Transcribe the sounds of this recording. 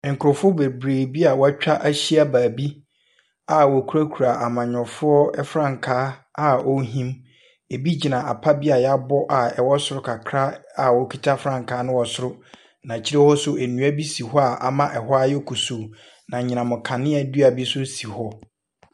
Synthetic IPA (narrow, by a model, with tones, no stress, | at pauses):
ŋ̩˨kʰʊ˨ɾʊ˨fʊ˦be˨bɾeː˨bi˦a˨wɔ˦a˦t͡ɕᶣa˦ʔæ˦ɕi˦a˦baː˨bi˦ | a˨wɔ˨kʰu˦ɾa˦kʰu˨ɾa˨ʔa˨mã˨ɲᶣɔ̃˨fʊ˦ɔ˦ɛ˦fɾã˦˨ŋkʰaː˦a˨o˦ɦĩ˦m | e˨bi˦d͡ʑi˨nã˨a˨pʰa˦bi˦a˨ja˦bɔ˦ʔa˨ɛ˨wɔ˦sʊ˦ɾʊ˦kʰa˨kʰɾa˦a˨wɔ˨kʰi˨tʰa˦fɾã˦ŋ˨kʰaː˨˦nʊ̃˦wɔ˨sʊ˦ɾʊ˦ | nã˨t͡ɕʰi˦ɾe˦hɔ˦sʊ˦ʔe˨nũ˨˦æ˦bi˦si˨ɦɔ˦a˨ʔa̰˨mã˦ʔɛ˨hɔ˦a˦jɛ˦kʰu˨su˨ | nã˨ɲɪ̃˨nã˨mʊ̃˨kʰã˨nɪ̃˦ɛ˨dɥa˨bi˦sʊ˦si˨hɔ˦